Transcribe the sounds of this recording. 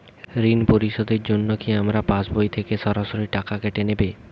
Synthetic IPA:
ɾinpoɾiʃod̪eɾd͡ʑonːokiamɾapãsbojt̪ʰekeʃɔɾaʃoɾiʈakakeʈenebe

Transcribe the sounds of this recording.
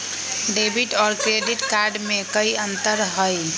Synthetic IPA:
ɖebʱiʈɔɾkɾeɖiʈkaɾɖmekəjənt̪əɾɦəj

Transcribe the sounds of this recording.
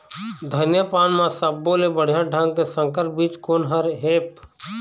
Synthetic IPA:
d̪ʱənjəpaːnmãsəbːoːlebəɽ̤jãɖʱə̃ŋɡkesə̃ŋkəɾp̚biːt͡ʃkoːnɦəɾɦeːp

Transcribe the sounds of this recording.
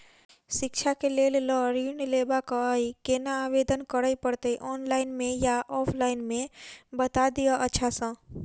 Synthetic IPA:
sɪkt͡ʃʰakelellɔɾinlebakəəjkenaːbed̪ənkəɾəjpəɽt̪əjʔɔːnlaɪnmẽjaʔɔpʰlaɪnmẽbət̪ad̪ijəʔətːʃʰasə̃

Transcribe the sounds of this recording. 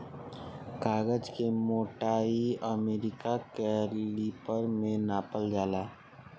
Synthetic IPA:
kaːɡəd͡ʒkemoːʈaːiəmeːɾɪkakeliːpəɾmẽnaːpəld͡ʒaːlaː

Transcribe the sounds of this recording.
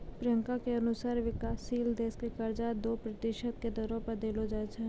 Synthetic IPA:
pɾɪjə̃ŋkakeɐnʊsaːɾʋɪkaːsiːld̪eːskekɐɾd͡ʒad̪oːpɾɐt̪ɪʃət̪̚ked̪ɔːɾõpɐɾd̪eːlod͡ʒaːt͡ʃʰa

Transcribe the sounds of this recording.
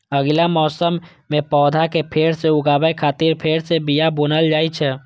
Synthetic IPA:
əɡlamɔːsəmː | ẽpɔːd̪ʱakepʰeːɾseʊɡaːbəjkʰaːt̪iɾpʰeːɾsebijaboːnəld͡ʒaːjt͡ʃʰɛ

